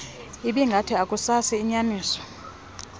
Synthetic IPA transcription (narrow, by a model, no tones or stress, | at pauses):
iɓiŋɡʱatʰiakʼusasiːɲaniːsɔ̥